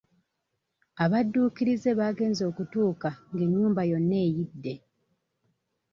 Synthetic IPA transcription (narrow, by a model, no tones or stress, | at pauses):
aβadːuːkiɾize̞βaːɡe̞ːnzo̞ːkutuːkaŋɡeɲːuːmbajo̞nːe̞ːjidːe̞